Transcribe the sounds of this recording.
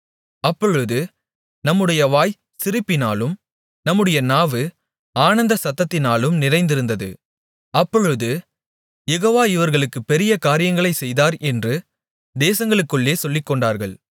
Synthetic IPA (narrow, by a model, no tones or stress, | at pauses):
ɐpːɔɻɯðɯ | nɐmːɯɽɐjɐʋaːj | sɪɾɯpːɪnaːlɯm | nɐmːɯɽɐjɐnaːʋɯ | aːnɐnd̪ɐsɐt̪ːɐt̪ːɪnaːlɯmnɪrɐɪnd̪ɪɾɯnd̪ɐðɯ̰ | ɐpːɔɻɯðɯ | jɛɣoːʋaːɪʋɐɾɣɐɭɯkːɯpːɛɾɪjɐkaːɾɪjɐŋɡɐɭɐɪsɛjðaːɾʔɛndrɯ | d̪eːsɐŋɡɐɭɯkːɯɭːeːsɔlːɪkːɔɳɖaːɾɣɐɭ